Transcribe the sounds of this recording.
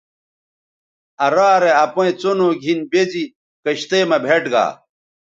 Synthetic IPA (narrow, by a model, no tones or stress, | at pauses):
ɐɾaːɾeɐpoẽt͡sonoːɡʱinbezi | kɐɕt̪eːmɐbʱeʈɡa̰ː